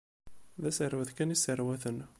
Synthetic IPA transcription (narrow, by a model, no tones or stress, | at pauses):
ðæsəɾwəθkænisəɾwæθən